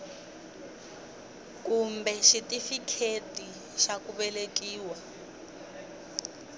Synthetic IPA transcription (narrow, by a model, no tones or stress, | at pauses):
kumbɛʃitifikʰetʼi | ʃakuβɛlekiːwa